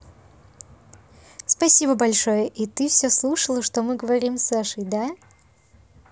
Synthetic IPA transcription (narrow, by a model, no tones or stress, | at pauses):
spɐsʲibəbɐlʲʂojəʔit̪ɨfsʲɵslˠuʂəlˠəʂt̪omɨɡəvɐɾʲimsːaʂəjd̪a